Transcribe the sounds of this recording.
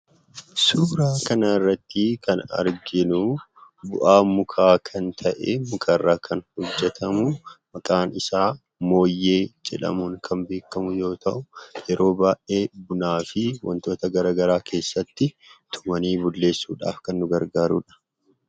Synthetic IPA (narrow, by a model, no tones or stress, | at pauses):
suːɾaːkɐnɐɪrːɐt̪ːɪkʰɐnɐ̰ɾɡɪnʊ | bʊʔaːmʊkʰaːkʰɐnt̪ʰɐʔeːmʊkʰɐrːaːkʰɐnhɔd͡ʒːɛt̪ʰɐmʊmɐkʼaːnɪsaː | mo̞ːjːe̞ːd͡ʒɛᶑɐ̰muŋkʰɐmbe̞ːkːɐmʊjo̞ːt̪ʰɐ̰ʔʊjɛɾʔo̞ːbaːʔʔe̞ːbʊnaːfɪwɐ̰nt̪o̞ːt̪ɐɡɐɾaːɡɐɾaːkʰe̞ːsːɐt̪ːɪ | t̪ʰʊ̥mɐniːbʊlːe̞ːsːuːᶑa̰ːfkɐnːʊɡɐɾɡaːɾṵːᶑɐ̥